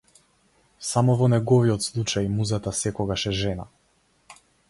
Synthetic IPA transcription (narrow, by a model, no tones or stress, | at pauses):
samɔvɔnɛɡɔviɔt̪slˠut͡ʃajmuzat̪asɛkɔɡaʃɛʒɛna̰